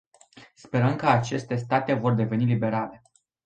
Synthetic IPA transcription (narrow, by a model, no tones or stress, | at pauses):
spe̞ɾəmkəat͡ʃe̞st̪e̞st̪at̪e̞vo̞rd̪e̞ve̞nilibe̞ɾale̞